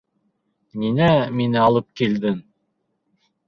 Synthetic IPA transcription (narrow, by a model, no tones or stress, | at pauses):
ninæminɘɑlˠɤp̚kild̪ɘŋ